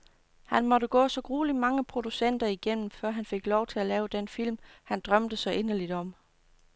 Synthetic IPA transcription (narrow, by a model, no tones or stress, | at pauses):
hænmɒ̽ɾ̥əɡ̥ɔ̰̽ːsɒ̽ɡ̥ʁuːlimɑ̈ŋəpʰʁo̝d̥usen̰d̥ɐiɡ̥en̰m̩fɶɐ̰ɦænfe̝ɡ̥lɒʊt͡sʰe̝lælɛːʊd̥enfil̰mhænd̥ʁɶmd̥əsɒ̽ʔe̝nɐlid̥ɒ̽m